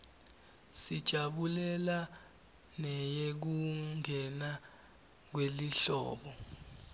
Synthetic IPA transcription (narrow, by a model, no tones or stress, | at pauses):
sid̥ʒ̥ʱaɓulɛla | nɛjek̬uŋʱɛna | k̬weliɬɔ̰ːɓɔ